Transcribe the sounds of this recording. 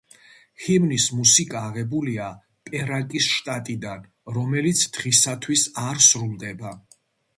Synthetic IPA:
himnismusikʼaːʁɛbulia | pʼɛɾakʼisʃt̪ʼat̪ʼid̪an | ɾɔmɛlit̪sʰd̪̥ʁisat̪ʰwisaɾsɾulˠd̪ɛba

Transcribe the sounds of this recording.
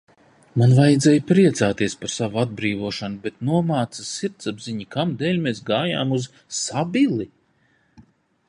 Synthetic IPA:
manvajd̪zɛːjpɾiɛt̪saːt̪iɛspaɾsavuad̪̚bɾiːvuɔʃanubet̪nuɔmaːt̪sasiɾt̪sabziɲikamd̪ɛːlʲmesɡaːja̰ːmuz | sabilˠi

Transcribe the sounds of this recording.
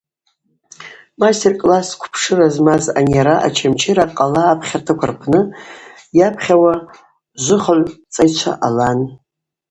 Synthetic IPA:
mastʰʲerkʼlaskʷʰpʰʂɨrazmaza̰njaɾaʔa̰t͡ʃʰamt͡ʃʰeɾaqʼalaːpʰχʲartʰakʷʰa̰rpʰnɨ | japʰχʲawa | ʒʷʊχaʕʷt͡sʼajt͡ʃʷʰa̰ʔalan

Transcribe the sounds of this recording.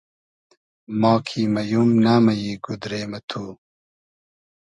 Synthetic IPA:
maːkʰiːmɐjumnaːmɐjiːɡud̪ɾeːmɐt̪ʰuː

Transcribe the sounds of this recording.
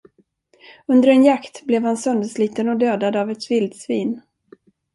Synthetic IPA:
ɵnd̪əɾɛnjakt̪blɛvhansœnd̪əsliːt̪ənɔd̪øːd̪ad̪avɛt̪vɪld̪sviːn

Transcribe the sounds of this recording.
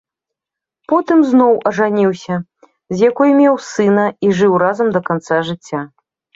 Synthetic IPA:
pɔt̪ɨmznɔwɐʐanʲiwsʲɐ | zʲjakɔjmʲɛwsɨnɐiʐɨwrazɐmd̪ɐkant̪saʐɨt͡sʲːa

